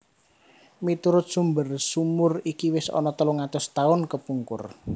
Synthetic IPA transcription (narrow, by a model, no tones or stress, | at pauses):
mit̪uɾʊt̪̚sumbərsumʊrikiwɪsɔ̰nɔt̪əluŋat̪ʊst̪aʊnkəpuŋkʊr